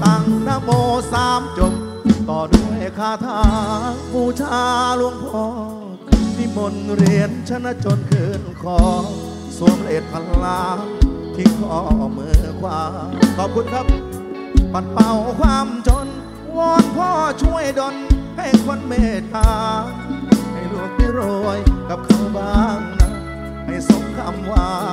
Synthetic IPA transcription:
t̪aː˧˩ŋnaː˧˩moː˧saː˧˦mt͡ɕo˧m | t̪ɔː˨˩du˧˩əjkʰaː˧˩t̪ʰaː˧buː˧˩t͡ɕʰaː˧˦lu˧əŋpʰɔː˧˩ | t̪ʰi˧˩mo˧nɾi˧˩ənt͡ɕʰa˧˥nːa˧˥t͡ɕo˧nkʰɤː˧˩nkʰɔː˨˧˩ | su˧˩˦əŋa˧ʔeː˨˩t̪̚pʰa˧lːaː˧ | t̪ʰi˧˩kʰɔː˧˩mɯː˧˦kʰwaː˧kʰɔː˨˩p̚kʰu˧˥nkʰa˦˥p̚ | pa˨˧˩t̪̚pa˧wkʰwaː˧˥mt͡ɕo˧˥n | wɔː˧˥npʰɔː˧˥˩t͡ɕʰu˧˥˩əjdo˧nha˧˩jkʰwo˧˥nmeː˧˩t̪aː˧ | ha˧˩jlu˧˩əŋ̚da˧˩jɾoː˧˩jka˧˦p̚kʰa˧˩wbaː˧˥ŋna˧˥ | ha˧˩jso˨˦ŋkʰa˧˩mwaː˧

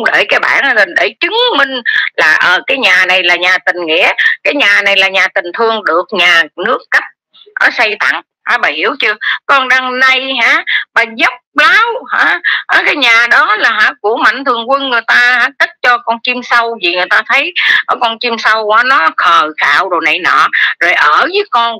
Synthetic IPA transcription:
ŋ͡mɗe˧˩jkaː˨˦jɓa̰ː˧˩˨nʔt̪ə˨˩nɗe˧˩t͡ɕɨ˨˦ŋmï˧ŋ̟laː˨˩ʔəː˨˩kaː˨˦jɲaː˨˩na˨˩jlaː˨˩ɲaː˨˩t̪ï˨˩ŋ̟ŋḭ˧˥˨əkaː˨˦jɲaː˨˩na˨˩jlaː˨˩ɲaː˨˩t̪ï˨˩ŋ̟t̪ʰɨ˧əŋɗɨ˨˩ək̚ɲaː˨˩nɨ˦˥əkːa˦˥p̚ | ʔə̰ː˨˦sə˧jt̪a̰˧˨ŋ | haː˧˦ɓaː˨˩hi˧˩əwt͡ɕɨ˧əkɔ˧nɗaː˧ŋna˧jɦaː˧˥maː˨˩zə˦˥k͡p̚laː˨˦whaː˧˥˦ʔaː˧˦kaː˨˦jɲaː˨˩ɗɔ˨˦laː˨˩ɦaː˧˦ku˧˩əma̰˧˨jŋ̟t̪ʰɨ˨˩əŋkwə˧nŋɨ˨˩əjt̪aː˧haː˧˦t̪ə˦˥t̚t͡ɕɔ˧kɔ˧nt͡ɕi˧msa˧wvi˨˩ŋ˨˩əjt̪aː˧t̪ʰə˨˦jʔɔ˧˩˦kɔ˧nt͡ɕi˧msa˧wkwaː˨˦nɔ˨˦xʰəː˨˩xa̰ː˧˨wɗo˨˩na˨˩jnɔ̰ː˧˨zo˨˩jʔəː˧˩vɨː˨˦jkɔ˧n

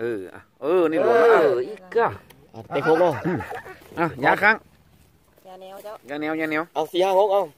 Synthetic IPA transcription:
ʔɤː˧˩ʔa̰˧˩ʔɤː˧˩niː˧˩lo˧˦˧iː˧˩kːa˧˩ | a˧˩t̪ɛ˧˩kʰo˧˨lɔ˧˩ʔɯ˧˩ʔa˧˩jaː˧˥kʰa˧˥˨ŋ | jaː˧nɛ˧˥˨wjaː˧nɛ˧˥˦wʔa˧˩wsi˧haː˧˩ŋo˧˥k̚ʔa˧˩w

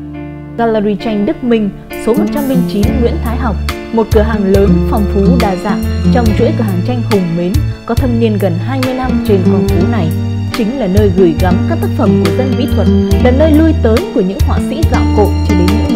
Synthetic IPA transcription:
ɣaː˧lə˧zi˧t͡ɕa˧jŋ̟ɗɨ˦˥k̚mï˧ŋ̟ | so˨˦mo˨˩t̚t͡ɕa˧mlï˧ŋ̟t͡ɕi˨˦nŋwḭ˧˥ənt̪ʰaː˨˦jɦa˨˩wk͡p̚ | mo˨˩t̚kɨ˧˩əɦaː˨˩ŋləː˨˦nfɔ˨˩wŋ͡mfu˨˦ɗaː˨˩zaː˧˩t͡ɕɔ˧wŋ͡mt͡ɕwḭ˧˥jkɨ˧˩hɦaː˨˩ŋt͡ɕa˧jŋ̟hʊ˨˩ŋ͡mme˨˦nkɔ˨˦t̪ʰə˧p̚ni˧ənɣə˨˩nɦaː˧jmɨ˧əjna˧mt͡ɕe˧nfɔ˨˩wŋ͡mfu˨˦na˨˩j | t͡ɕï˨˦ŋ̟laː˨˩nəː˧jɣɨ˧˩jɣa˨˦mkaː˦˥k̚t̪a˦˥k̚fə˧˩mku˧˩əzə˧nvḭ˧˥t̪ʰwə˨˩t̚laː˨˩nəː˧jlu˧ə˧jt̪əː˨˦jku˧˩əɲɨ̰˧˥ŋhwa̰ː˧˨sḭ˧˥za̰ː˧˨wko̰˧˨t͡ɕi˧˩ɗɨ˨˩ɲɨ̰˧˥

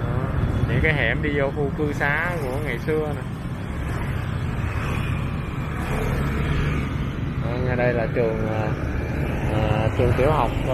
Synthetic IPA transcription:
ʔəː˨˩ɲɨ̰˧˥ŋkaː˨˦jɦɛ̰˧˩mɗi˧zo˧xʰu˧kɨ˧saː˨˦ku˧˩əŋa˨˩jsɨ˧əna˨˩˨ | ʔaː˨˩ɲa˨˩ɗə˧jlaː˨˩t͡ɕɨ˨˩əŋʔaː˨˩ | ʔaː˨˩t͡ɕɨ˨˩əŋt̪ḭ˧˩əwɦa˨˩wk͡p̚

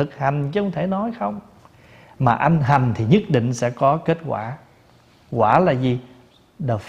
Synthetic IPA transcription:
ɨ˨˩k̚ha˨˩jŋ̟t͡ɕɨ˧ə˧wŋ͡mt̪ʰe˧˩nɔ˨˦jxə˧wŋ͡m | maː˨˩ʔa˧jŋɦa˨˩ŋ̟t̪ʰi˨˩ɲə˦˥t̚ɗḭ˧˨ŋ̟sɛ̰˧˥kɔ˨˦ke˦˥t̚kwa̰ː˧˩ | kwaː˧˩laː˨˩zi˨˩ | ɗəː˨˩f

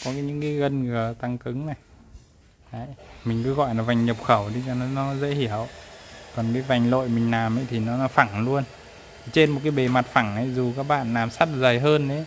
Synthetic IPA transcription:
kɔ˨˦kaː˨˦ɲɨ̰˧˥ŋka˨˦jɣə˧nɣə˨˩t̪a˧ŋkɨ˨˦ŋna˨˩j | ʔaː˨˧˩jmï˨˩ŋ̟kɨ˨˦ɣɔ̰˧˨jla˨˩va˨˩jŋɲə˨˩p̚xə˧˩wɗi˧˦t͡ɕɔ˧˩nɔ˨˦nɔ˨˦zə̰˧˥hi˧˩əwkɔ˨˩nkaː˨˦jva˨˩jŋ̟lo̰˧˨jmï˨˩ŋ̟laː˨˩mʔə˨˦jt̪ʰi˨˩nɔ˨˦nɔ˨˦fa˧˩ŋlu˧ən˨˩ | t͡ɕe˧nm˨˩t̚kaː˨˦jɓe˨˩ma˨˩t̚fa˧˩ŋʔə˨˩jzu˨˩kaː˦˥k̚ɓa̰ː˧˨nlaː˨˩msa˦˥t̚zə˨˩jɦəː˧nɗe˨˦

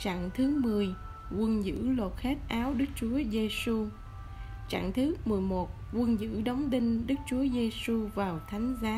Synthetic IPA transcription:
t͡ɕa̰ː˧˨ŋt̪ʰɨ˨˦mɨ˨˩əj | kwə˧nzɨ̰˧˥lo˨˩t̚xe˦˥t̚ʔaː˨˦wɗɨ˦˥k̚t͡ɕu˨˦əze˧su˧ | t͡ɕa̰ː˧˨ŋt̪ʰɨ˨˦mɨ˨˩əjmo˨˩t̚kwə˧nzɨ̰˧˥ɗə˨˦wŋ͡mt̪i˧ŋ̟ɗɨ˦˥k̚t͡ɕu˨˦əze˧su˧vaː˨˩wt̪ʰa˨˦ŋ̟zaː˨˦

